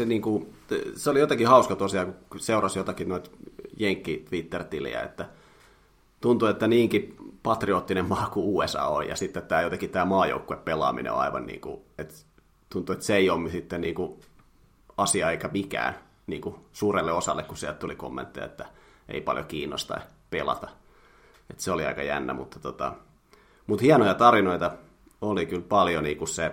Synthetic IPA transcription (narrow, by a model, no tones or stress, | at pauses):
seniːŋkuseolijot̪ɑkihɑuskɑt̪uosiɑkuseurɑsjot̪ɑkinoit̪jeŋkːit̪ʋit̪ːert̪ilḭæ̰ḛt̪ːæ | t̪unt̪uet̪ːæniːŋkipɑt̪rioːt̪ːinemmɑːkuuːesɑ̰ːo̰jjɑ̰sit̪ːet̪t̪æːjot̪ekit̪æːmɑːjo̰ukːueppelɑ̰ːmḭnḛo̰ɑ̰iʋɑ̰nnḭːŋkṵet̪ | t̪unt̪ːuet̪seeiomisit̪ːeniːŋku | ɑsiɑeikæmikæ̰ːn | niːŋkusuːrelːeosɑ̰lːekkusiælt̪t̪uliko̰mːḛnt̪ːḭjɑ̰et̪ːæḛipɑ̰ljokiːnːo̰st̪ɑ̰i | pelɑ̰t̪ɑ | et̪seoliɑ̰ikɑjæ̰nːæ̰mut̪ːɑ̥t̪ot̪ɑ̰ | mut̪hiɑnojɑt̪ɑrinoit̪ɑ | olikylpɑljoniːkusse